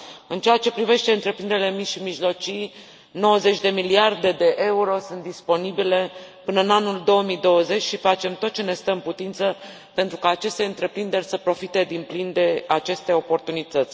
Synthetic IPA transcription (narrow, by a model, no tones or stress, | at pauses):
ɨnt͡ʃeat͡ʃe̞pɾive̞ʃt̪eɨnt̪ɾe̞pɾind̪eɾile̞miʃimiʒlo̞t͡ʃij | no̞wəze̞t͡ʃʲd̪e̞miliard̪e̞d̪e̞ʔe̞uɾo̞sunt̪̚d̪ispo̞nibile̞pɨnəɨnanuld̪o̞wəmid̪o̞wəze̞t͡ʃʲʃifat͡ʃe̞mt̪o̞t̪̚t͡ʃe̞ne̞st̪əɨnput̪int̪sə | pe̞nt̪ɾukaːt͡ʃe̞st̪e̞ɨnt̪ɾe̞pɾind̪e̞rʲsəpɾo̞fit̪e̞d̪implind̪e̞at͡ʃe̞st̪e̞o̞po̞rt̪unit̪ət̪sʲ